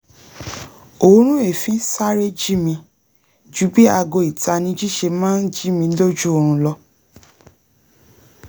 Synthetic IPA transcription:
o˨˦ɾ̃ũ˦e˦˨fĩ˨˦sa˦ɾe˦d͡ʒi˦mĩ˧ | d͡ʒu˨˦bi˦a˧ɡo˧i˨ta˧nĩ˧˦d͡ʒi˦ʃe˧mãː˦n̩˦d͡ʒi˦mĩ˧lo˦d͡ʒu˦o˧ɾ̃ũ˧lɔ˧

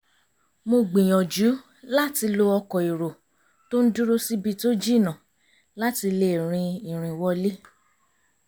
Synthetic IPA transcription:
mo˧ɡ͡bĩ˨j̃ɔ̃˨d͡ʒu˨˦ | la˦ti˧lo˧ɔ˧kɔ˨i˨ɾo˨ | to˦n̩˦du˦ɾo˦si˦bi˦˧to˦d͡ʒi˦˨nã˨ | la˦ti˧le˦˨ɾ̃ĩ˧i˨ɾ̃ĩ˨wɔ˦li˦

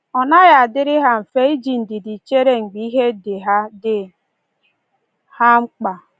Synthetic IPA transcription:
ɔ˨na˦ɣa˨a˨dɪ˦ɾɪ˦ɦa˦m̩˨fe˦i˦d͡ʒi˨n̩˨dɪ˨di˨t͡ʃe˦ɾe˦ŋ͡m̩˨ɡ͡bi˨˦i˦ɦe˦de˨ɦa˦dɪ˨ | ha˦ŋ͡m̩˦k͡pa˨

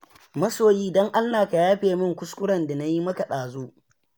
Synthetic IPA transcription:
mɐ˦soː˨jiː˦dɔ˦ŋʔa˦nːaː˨ka˨jaː˦ɸeː˨mɪ˦˨ŋkʷʊ˦skʷʊ˦ɽɐ˨nda˨na˦ji˦mɐ˦ka˨ɗaː˨zuː˦

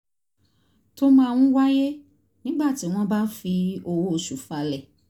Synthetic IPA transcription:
to˦mãː˦˨w̃ũ˦wa˦je˦ | nĩ˦ɡ͡ba˦˨ti˨˦w̃ɔ̃˦ba˦fi˧o˧wo˦˨˧ʃu˨fa˧lɛ˦˨

